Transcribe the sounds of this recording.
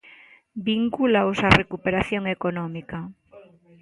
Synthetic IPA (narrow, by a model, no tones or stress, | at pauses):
biŋkulaosarekupeɾaθjoŋekonɔmika